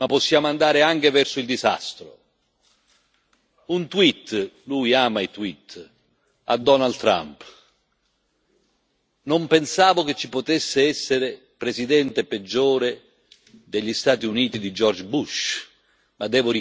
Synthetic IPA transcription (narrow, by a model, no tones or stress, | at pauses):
apːosːjaːmoand̪aːɾɪaŋk̟evɛrsʊild̪iza̰st̪ɾʊ̰ | unt̪wit̪ːlujaːmait̪wit̪ː | a̰d̪ːɔnalt̪ːɾa̰mp | nompensaːvʊk̟et͡ʃːipot̪esːɪɛsːeɾɪ | pɾesid̪ɛnt̪eped͡ʒːɔːɾe | d̪eʎːist̪aːt̪iuniːt̪id̪id͡ʒɔrd͡ʒbuʃ | mad̪ːɛːvʊɾi